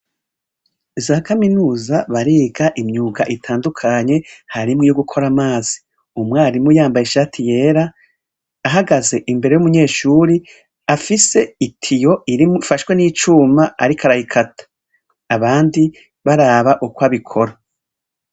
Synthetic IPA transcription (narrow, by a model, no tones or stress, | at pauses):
zaːkaminuːzaβaɾiːɡaʔimɲuːɡaʔitʰaːndukʰaɲe̞haɾimŋijoɡukʰo̞ɾamaːz̥i̥ | umŋaːɾimujaːmbajeʃaːtʰije̞ːɾaː | ɦaɡaze̞ʔimbe̞ɾe̞jumuɲe̞ːʃuːɾi | afise̞itʰijo̞iɾimuifaʃwe̞niːt͡ʃuːmaa̰ɾikʰaɾahikʰatʰḁː | βaːndi | βaɾaːβaʔukwaβikʰo̞ɾa